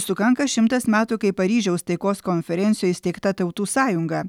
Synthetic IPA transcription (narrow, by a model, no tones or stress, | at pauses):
sʊkɐŋkɐʃʲɪmt̪ɐsmʲæːt̪uːkɐɪpɐɾʲiːʒʲɛʊst̪ɐɪkoːskɔnʲfʲɛɾʲɛnʲt̪ʲɪjoːjɪsʲt̪ʲɛɪkt̪ɐt̪ɐʊt̪uːsɑːjʊŋɡɐ